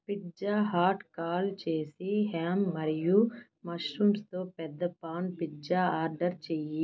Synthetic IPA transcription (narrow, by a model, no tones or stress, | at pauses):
pid͡ʒaːɦaːɾʈkaːlt͡ʃe̞ːsiɦaːmːɐɾiju | mɐʂɾuːmst̪oːpɛd̪ːɐpaːɳpid͡ʒaːaːɾɖɐɾt͡ʃeːji